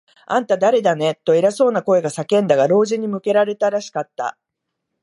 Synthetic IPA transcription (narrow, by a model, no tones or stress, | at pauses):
ã̰nt̪ad̪aɾe̞d̪ane̞t̪ːo̞eɾaso̞ːnako̞e̞ɡasakẽ̞nd̪aɡaɾo̞ːʑiɲ̟imɯ̟ke̞ɾaɾe̞t̪aɾaɕi̥kat̪ːa̰